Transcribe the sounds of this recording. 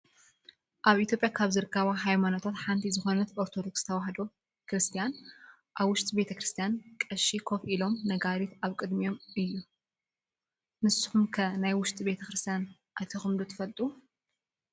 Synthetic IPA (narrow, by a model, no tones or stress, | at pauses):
ʔaβʔit̪ʰʲjo̞pʼjakʰaβzɨɾɨkʰːɐβaɦajmano̞t̪ʰat̪ħant̪ʰizɨxo̞nɐt̪oɾt̪ʰo̞d̪o̞kst̪ʰɐwaɦd̪o | kɾɨst̪ʰijan | ʔaβwʊʃt̪ʼibe̞t̪ʰɐkɾɨst̪ʰijankʼɐʃikʰofʔilo̞mnɐɡaɾit̪aβkʼɨd̪mijo̞mʔɨjːu | nɨsːɨ̥xumkʰɐnajwʊʃt̪ʼibe̞t̪ʰɐkɾɨst̪ʰijan | ʔajt̪ʰɐxɨmd̪ut̪ʰɐ̥fɐlt̪ʼu